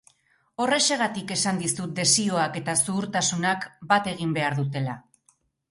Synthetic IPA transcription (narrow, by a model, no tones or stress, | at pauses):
o̞re̞se̞ɣ̞at̪ike̞sand̪isut̪̚d̪e̞sio̞ake̞t̪asuːɾt̪asunakbat̪e̞ɣ̞imbe̞aɾðut̪e̞la